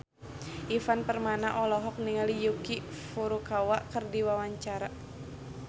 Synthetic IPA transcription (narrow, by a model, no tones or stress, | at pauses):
ʔifanpərmanaʔɔlɔɦɔk̚niŋalijukifuɾukawaʔkərdiwawaɲt͡ʃaɾa